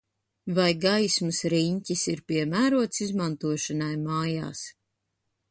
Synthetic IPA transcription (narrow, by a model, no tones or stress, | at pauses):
vajɡajsmɨsɾiɲcʲisiɾpʲiɛmæːɾuɔt̪sizmant̪uɔʃanajmaːja̰ːs